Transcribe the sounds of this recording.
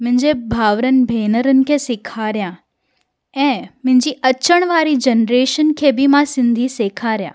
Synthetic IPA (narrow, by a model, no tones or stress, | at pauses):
mɪ̃ɪ̃ɲd͡ʑebʱaːʋɾən̆bʱeːnəɾənɪ̆kʰesɪkʰaːɾjã | ɛ̃ːmɪ̃ɪ̃ɲd͡ʑiʔɐt͡ʃəɽ̃ʋaːɾid͡ʑənɾeːʃənkʰebʱimãsɪ̃nd̪ʱiseːkʰaːɾjã̰ː